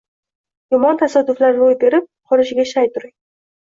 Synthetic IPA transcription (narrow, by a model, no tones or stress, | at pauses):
jɒmɒnt̪ʰasad̪ʊflaɾɾojb̪e̞ɾɪp̚qʰɒɾɪʃɪɡʲaʃajt̪ʊɾɪŋ